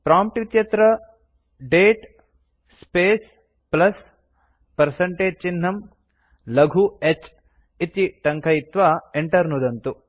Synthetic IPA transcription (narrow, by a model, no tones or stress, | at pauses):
pɾaːmp̚ʈʋit̪jɐt̪ɾɐ | ɖeːʈ | speːs | plɐs | pɐɾsɐɳʈeːd͡ʒ̚t͡ʃinːɐm | lɐɡʱuet͡ʃ | it̪iʈɐŋkʰɐjit̪ʋaeɳʈɐɾnud̪ɐnt̪u